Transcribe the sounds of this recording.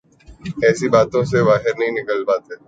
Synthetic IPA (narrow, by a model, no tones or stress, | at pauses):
ɛːsibaːt̪õseʋaːɦɪɾnɐɦĩnɪkəlpaːt̪ɦɛː